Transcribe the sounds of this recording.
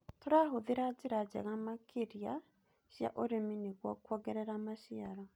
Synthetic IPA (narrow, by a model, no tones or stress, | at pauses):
toɾaɦoðeɾad͡ʒeɾad͡ʑɛ̰ɣamakʰeɾia | ɕja̰ʔoɾemineɣwɔkwɔɣɛɾɛɾamaʃiaɾɔ